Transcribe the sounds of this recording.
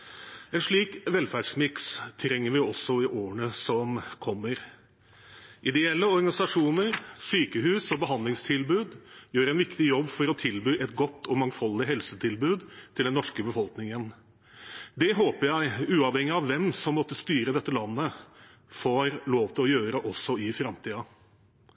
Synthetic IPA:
ɛnʂɭiːkʋɛlfæɖʂmɪkst̪ʰɾɛŋːəɾʋɪɔsːɔɪʔoːəɳəsɔmkʰɔmːəɾ | ʔɪd̪ɛɛlːəɔɾɡɑnɪsɑʂuːnəɾsyːkəɦʉːsɔbəɦɑnd̪lɪŋst̪ʰɪlbʉːd̪jøːɾɛnʋɪkt̪ɪjɔbːfɔɾɔt̪ʰɪlbyːʔɛt̪ɡɔt̪ːɔmɑŋfɑld̪ɪɦɛlsət̪ʰɪlbʉːd̪t̪ʰɪld̪ɛnːɔʂkəbəfɔlknɪŋən | d̪ɛɦoːpəɾjæɪʉːɑʋhɛŋːɪɑʋːɛmsɔmːɔt̪ːəst̪yːɾəd̪ɛt̪ːəlɑnːə | foːɾloːʋt̪ʰɪlɔjøːɾəʔɔsːɔɪfɾɑmt̪ʰiːɑ

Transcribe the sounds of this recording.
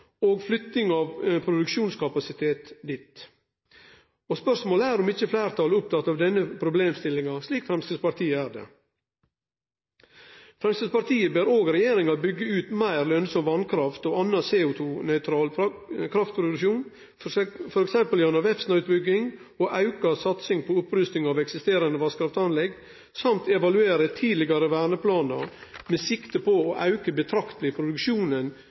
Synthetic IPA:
oːɡflʏt̪nɪŋɑʋpʰɾʊd̪ʉkʂuːnskʰɑpɑsɪt̪ʰeːt̪d̪ɪt̪ | ɔspœʂmoːləæːɾɔmɪt͡ʃːəflæːɾt̪ʰɑlʊp̚t̪ʰɑt̪ːɑːʋd̪ɛnːəpʰɾʊbleːmst̪ɪlɪŋɑsliːkfɾɛmst̪əpɑɾt̪ʰiːəæːɾd̪ɛ̰ | fɾɛmst̪əd̪spɑɾt̪ʰiːəbøːɾoːɡɾɛjeːɾɪŋɑbʏɡːəʉːt̪mæɪɾlœnsɔmʋɑnkʰɾɑft̪oːɑnːɑseːʊt̪ʰuːnœʏt̪ʰɾɑːlkʰɾɑft̪̚pʰɾʊd̪ʉʃuːn | fɔɾɛksɛmpəljɑnɑʋɛfsnɑʉt̪̚bʏɡːɪŋ | oːʔɑʉkɑsɑt̪sɪŋpʰoʊpɾʉst̪ɪŋɑːʋɛksɪst̪eːɾɑnəʋɑskɾɑft̪ɑnlɛɡ | sɑmt̪ɛʋɑlʉeːɾət̪ʰiːd̪lɪɡɑɾəʋæːɳəpʰlɑːnə̰ɾmeːsɪkt̪əpʰooːʔɑʉkəbət̪ʰɾɑkt̪lɪpʰɾʊd̪ʉkʃuːnən

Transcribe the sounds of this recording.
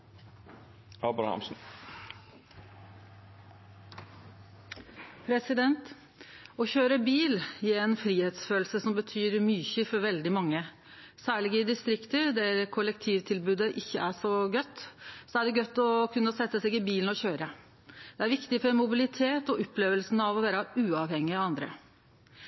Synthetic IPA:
ɑbɾɑ̰hɑ̰msn̩ | pʰɾɛsɪd̪ɛnt̪ | ɔçøːɾəbiːlɪɛnfɾiːheːt̪sføːlsəsɔmbət̪ʰyːɾmyːçəfɔɾʋɛld̪ɪmɑŋːə | sæːɭɪɡɪd̪ɪst̪ɾɪkt̪əd̪æɾkʰʊlɛk̚t̪ʰiːʋt̪ʰɪlbʉːd̪əʔɪçːəʔæʂɔɡœt̪ːsɔæɖɛɡœt̪ːɔkʰʉnːəsɛt̪ːəsɛɡɪbiːln̩ɔçøːɾə | d̪̥ɛæɾʋɪkt̪ɪfɔɾmʊbɪlɪt̪ʰeːt̪ɔʔɔpːleːʋəlsnəɑʋɔʋæːɾɑʉːɑʋhɛŋːɪɑɑnd̪ɾə̰

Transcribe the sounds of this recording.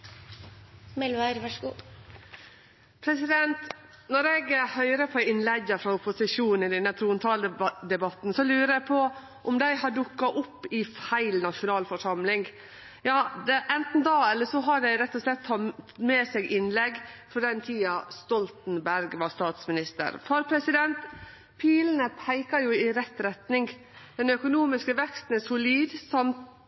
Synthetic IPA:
mɛlʋɑɾʋɑʂɡuː | pʰɾɛsɪd̪ɛnt̪ | nɔɾɛɡhœʏɾəpʰɔɪnlɛɡəfɾɑʊpʊsɪʂuːn̩ɪd̪ɛnət̪ʰɾuːnt̪ʰɑːld̪ɛbɑt̪ːn̩sɔlʉːɾəæpʰɔ | ʔɔmd̪æɪhɑɖʊkːɑʔʊpːɪfæɪlnɑʂʊnɑːlfɔʂɑmlɪŋ | jɑːd̪ɛʔɛnt̪n̩d̪ɑːɛlːəʂɔɦɑɖæɪɾɛt̪ːɔʂlɛt̪ʰːɑmeːsɛɡɪnlɛɡfɾɔɖ̪ɛnt̪ʰiːɑst̪ɔlt̪n̩bæɾɡʋɑst̪ɑːt̪smɪnɪst̪ə̰ɾfɑɾpʰɾɛsɪd̪ɛnt̪ | pʰiːlnəpʰæɪkɑjʊɪɾɛt̪ːɾɛt̪nɪŋɡ | d̪̥ɛnœkʊnuːmɪskəʋɛkst̪n̩æsʊliːd̪sɑmt̪

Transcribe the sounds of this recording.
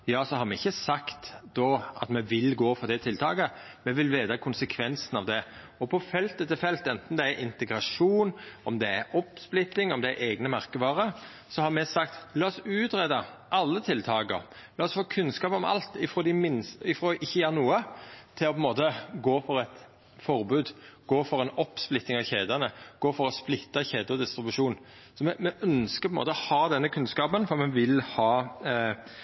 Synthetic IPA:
jɑːsɔhɑɾmɛɪçːəsɑkt̪d̪ɔʔɑ̰t̪mɛʋɪlɡoːfɔʁd̪ɛt̪ʰɪlt̪ʰɑ̰ːɡə | mɛʋɪlʋeːd̪ɑkʰʊnsəkʰʋɛnsənɑʋd̪ɛ | ɔpʰɔfɛlt̪ət̪ʰɪlfɛlt̪ɛnt̪n̩d̪ɛæʔɪnt̪ɛɡɾɑʂuːnɔmd̪ɛæɾɔpsplɪt̪ːɪŋɔmd̪ɛæɾʔeːɡnəmɑɾkəʋɑːɾə | sɔhɑɾmɛsɑkt̪lɑːɔsʉːt̪ɾeːd̪ɑʔɑlːət̪ʰɪlt̪ʰɑːɡə̰ɾ | lɑːɔsfoːkʰʉnskɑːpɔmɑ̰lt̪ɪfɾoːd̪ɪmɪnsɪfɾoːʔɪçːəjæːɾənuːət̪ʰɪlɔpʰɛmoːt̪əɡoːfɔɾɛt̪ | fɔɾbʉːd̪ɡ̥oːfɔɾɛnɔpsplɪt̪ːɪŋɑʋçeːd̪ɑnəɡ̥oːfɔɾɔsplɪt̪ːɑçeːd̪əɔd̪ɪst̪ɾɪbʉʂuːn | sɔmɛmɛʔœnskəpʰɛmo̰ːt̪ɔhɑːd̪ɛnːəkʰʉnskɑːpənfɔmɛnʋɪlhɑː

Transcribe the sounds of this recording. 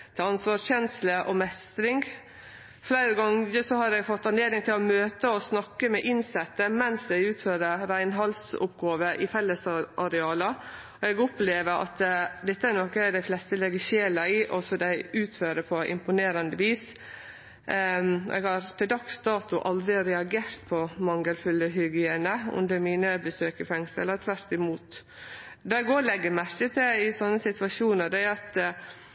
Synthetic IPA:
t̪ʰɛɑnsʋɑːʂçɛnsləʔɔmɛst̪ɾɪŋɡ | flæɪɾəɡɑŋəsɔhɑɾɛɡfɔt̪ːɑneːd̪ɪŋt̪ʰɪlɔmøːt̪əɔsnɑkːəmɛʔɪnsɛt̪ːəmɛnsɛɡʉːt̪føːɾəɾæɪnɦɑlsʊ̰pɡɑːʋəʔɪfɛlːəsʔɑɾɛɑːlə | ɔɛɡɔpleːʋəʔɑ̰t̪d̪ɛt̪ːəæɾnɔkːəæɖæɪflɛst̪əlɛɡəʃeːlɑɪʔɔsɔd̪æɪʉːt̪føːɾəpʰɔʔɪ̰mpʊneːɾɑnd̪əʋiːs | ʔɛ̰ɡhɑɾt̪ʰɪld̪ɑkst̪ɑːt̪ʊʔɑld̪ɾɪɾɛɑɡeːɾt̪pʰɔmɑŋɡəlfʉlːəɦʏɡɪeːnəɔ̰md̪ɛmiːnəbəsøːkəfɛŋsəlːət̪ʰʋæɾt̪ɪmuːt̪ | d̪ɑɛɡɔːlɛɡːəmæɾkət̪ʰɪɪsɔnːəsɪt̪ʋɑʃuːnəɾd̪ɛæɾɑt̪

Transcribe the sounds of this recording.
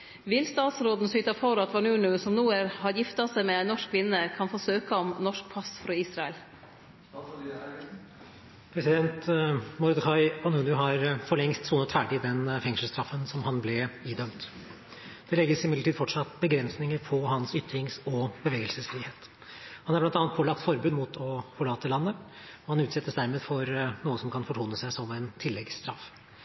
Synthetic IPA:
ʋɪlst̪ɑːt̪sɾoːd̪n̩sʏːt̪ɑfɔɾɑt̪ʋɑɳʉːɳʉsɔmnuːəɾhɑɾjɪft̪ɑsæɪmɛɛɪnɔʂkkʰːʋɪnːəkʰɑnfoːsøːkəɔmnɔʂk̚pʰɑsfɾɑiːsɾɑɛl | pʰɾɛsɪd̪ɛnt̪mɔɾd̪kʰɑɪɑnʉːɳʉɦɑɾfɔɭɛŋst̪suːnət̪fæːɖɪd̪ɛnfɛŋʂəlst̪ɾɑfːənsɔmhɑnblɛiːd̪œmt̪ | d̪̥ɛlɛɡːəsɪmɪd̪əʈiːd̪fɔʈʂɑt̪ːbəɡɾɛnsnɪŋəɾpʰɔhɑnsʏt̪ːɾɪŋsɔbəʋeːɡəlsəsfɾiːheːt̪ | hɑnhɑɾblɑnt̪ɑːnət̪pʰoːlɑkt̪fɔɾbʉːd̪muːt̪ʰɔfɔɭɑːt̪ːəlɑnːəɔhɑnʉːt̪sɛt̪ːəsd̪æɾmeːd̪fɔɾnuːəsɔmkʰɑnfɔʈʰuːnəsæɪsɔmɛnt̪ʰɪlːɛɡst̪ɾɑf

